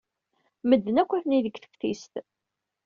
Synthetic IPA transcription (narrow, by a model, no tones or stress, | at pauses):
məd̪ːənækʷːəθniðəɡθə̥fθist̪